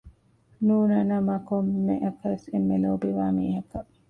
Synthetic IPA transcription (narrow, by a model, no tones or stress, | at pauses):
nuːnɐnɐmɐkomːeʔɐkɐʋesemːeloːbiʋaːmiːɦɐkɐ